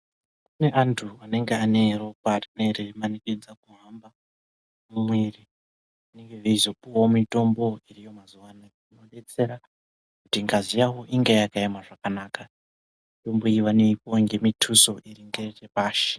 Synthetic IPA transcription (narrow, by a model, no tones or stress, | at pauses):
kune̞ʔantʰuane̞ŋɡeane̞ro̞batnerimanikid͡zakuɦamba | mumweːri | ane̞ŋɡeʐeizo̞puawomito̞mbo̞irijo̞mazuʋana | ino̞ɗe̞t͡se̞ɾa | kutiŋɡazijawo̞ʔiŋɡejakaemaʐakanaːka | mito̞mbo̞iʋaneip̚oŋɡe̞mitʰuso̞ʔiɾiŋɡeretepaːʃi̥